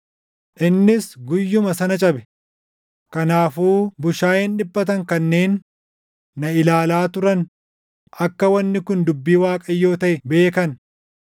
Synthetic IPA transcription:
ʔɪnːɪsɡʊjːʊmɐsɐnɐt͡ʃʼɐbɛ | kɐnaːfuːbʊʃaːjɛnᶑɪbːɐt̪ɐŋkɐnːe̞ːnː | ɐɪlaːlaːt̪ʊɾɐn | ʔɐkːɐwɐnːɪkʊnd̪ʊbːiːwaːkʼɐjːo̞ːt̪ɐʔɛbe̞ːkɐn

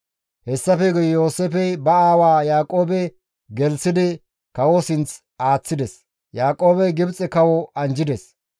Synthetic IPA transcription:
hɛsːɐfɛɡʊjjoːseːfɛbɐaːwaːjaːkʼo̞ːbɛ | ɡɛlsɪd̪ɪ | kɐwosɪnt͡s | aːt͡sːɪd̪ɛs | jaːkʼo̞ːbɛɡɪbt͡sʼɛkɐwɔɐnd͡ʒɪd̪ɛs

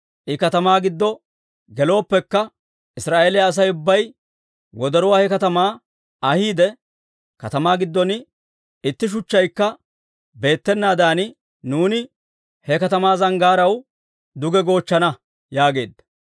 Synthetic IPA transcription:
ʔɪkɐt̪ɐmaːɡɪd̪ːɔ | ɡɛlo̞ːpːɛkːɐ | ʔɪsɾaːʔeːlɪjaːs̬ɐjʊbːɐj | wɔd̪ɛɾʊwaːhɛkɐt̪ɐmaː | ɐhiːd̪ɛ | kɐ̰t̪ɐmaːɡɪd̪ːɔn | ɪt̪ːɪʃ̬ʊt͡ʃːɐjkːɐ | be̞ːt̪ːɛnːaːd̪aːn | nuːnɪ | hɛkɐt̪ɐmaːzɐŋɡaːɾɐw | d̪ʊɡɛɡo̞ːt͡ʃːɐnɐ | jaːɡe̞̰ːd̪ːɐ̥

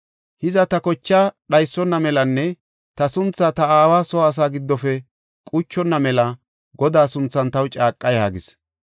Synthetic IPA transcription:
hɪzɐt̪ɐkɔt͡ʃːaːɗɐjsːɔnːɐmɛlɐnːɛ | t̪ɐsʊnt͡sːat̪ɐaːwaːsɔːs̬aːɡɪd̪ːɔfɛ | kʼʊt͡ʃːɔnːɐmɛlɐ | ɡɔd̪aːsʊnt͡sːɐnt̪ɐwt͡ʃʼaːkʼːɐjhaɡɪs

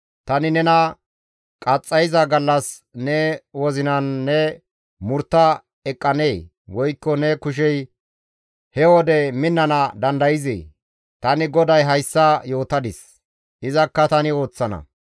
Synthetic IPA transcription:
t̪ɐnɪnɛnɐ | kʼɐt͡sʼːɐjɪzɐɡɐlːɐs | nɛwɔzɪnɐnːɛ | mʊɾt̪ːɐ | ɛkʼːɐneː | wɔjkːɔnɛkʊʃ̬ɛj | hɛwɔd̪ɛmɪnːɐnɐd̪ɐnd̪ɐjɪzḛː | t̪ɐnɪɡɔd̪ɐjɦɐjsːɐjo̞ːt̪ɐd̪ɪs | ʔɪzɐkːɐt̪ɐnɪo̞ːt͡sːɐnɐ̰

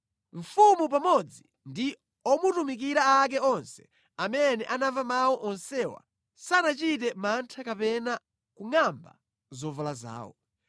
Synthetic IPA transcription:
ɱ̩fumup̬amɔd͡zi | ndi | ɔmutumik̬iɾaak̬ɛɔnsɛ̥ | amɛnɛʔanavamawɔʔɔnsɛwa̰ | sanat͡ʃit̬ɛmantʰakapɛna | kuŋamba̰ | zɔvalaza̰ːwɔ̰

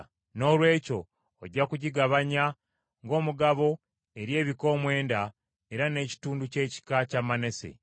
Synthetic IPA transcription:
no̞ːlwe̞ːco̞̰ː | ɟːakuɟiɡaβaɲa | ŋɡo̞ːmuɡaβo̞ | e̞ɾje̞ːβiko̞ːmwe̞ːnda | e̞ɾane̞ci̥tuːnduce̞ːci̥kacamane̞se̞̰

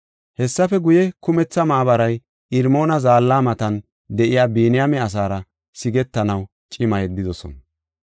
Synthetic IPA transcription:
hɛsːɐfɛɡʊjɛkʊmɛt͡sːɐmaʔːbɐɾɐj | ɪɾmo̞ːnɐzaːlːaːmɐt̪ɐn | d̪ɛʔɪjaːbiːnɪjamɛɐs̬aːɾɐ | sɪɡɛt̪ːɐnɐw | t͡ʃʼɪmɐjɛd̪ːɪd̪ɔsɔ̰nɐ

